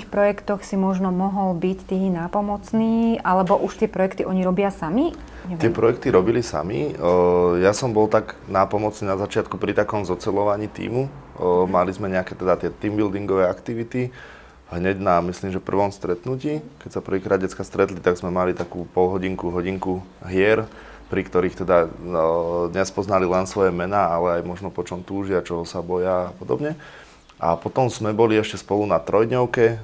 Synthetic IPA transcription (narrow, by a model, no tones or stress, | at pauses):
ixpɾɔjɛkt̪ɔxsimɔʒnɔmɔɦɔlbict̪iːnaːpɔmɔt͡sniːʔalɛbɔʔuʃt̪ɪɛpɾɔjɛkt̪iʔɔɲiɾɔbɪasami | ɲɛɪɛpɾɔjɛk̚t̪iɾɔbilisa̰mi | jasɔmbɔlt̪aɡnaːpɔmɔt͡sniːnazat͡ʃɪat̪kupɾit̪akɔmzɔt͡sɛlɔʋaɲiːt̪ḭːmumalizmɛɲɛakɛt̪ɛd̪at̪ɪɛt̪iːmbild̪iŋɡɔʋɛakt̪iʋit̪i | ɦɲɛɟnamisliːmʒɛpr̩ʋɔmst̪ɾɛt̪nuciːkɛcsapr̩ʋiːkɾaːd̪ɟɛt͡skast̪ɾɛt̪lit̪aɡzmɛmalit̪akuːpɔlɦɔɟiŋkuɦɔɟiŋkuɦɪɛɾ | pɾikt̪ɔɾiːxt̪ɛd̪a | d̪ɲɛspɔznalilɛnsʋɔjɛmɛnaːalɛajmɔʒnɔpɔt͡ʃɔmt̪uːʒɪat͡ʃɔɦɔsabɔjaːpɔd̪ɔ̰bɲɛ | ʔa̰pɔt̪ɔmzmɛbɔliɛʃcɛspɔlunat̪ɾɔjd̪ɲɔʊkɛ